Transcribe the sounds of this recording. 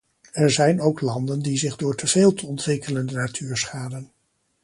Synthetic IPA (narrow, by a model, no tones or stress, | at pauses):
ɛɹzɛjnowklɑndəndizɪχdʊːɹtəv̥eːlˠtəɔntʋɪkələndənatʰyːɹsχaːdən